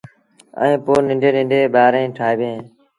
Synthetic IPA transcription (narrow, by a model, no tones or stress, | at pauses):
ə̰ẽːpoːnɪ̃ɳɖeːnɪ̃ɳɖeːɓaːɾẽːʈʰaːeːbjẽː